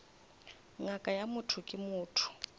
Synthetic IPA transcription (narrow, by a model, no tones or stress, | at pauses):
ŋakʼajamʊtʰʊkʼɪmʊːtʰʊ̥